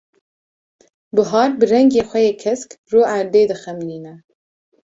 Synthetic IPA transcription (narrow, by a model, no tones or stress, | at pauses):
bɨɦɑːɾbɨrɛŋɡeːxʷɛjeːkʰɛskruːæɾd̪eːd̪ɨxɛmliːnɛ